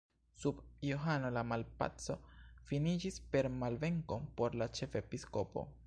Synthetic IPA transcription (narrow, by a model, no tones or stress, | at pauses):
subjoɦano̞lamalpa̰t͡so̞finid͡ʒispe̞ɾmalve̞ŋko̞po̞ɾlat͡ʃe̞fe̞pisko̞po̞̰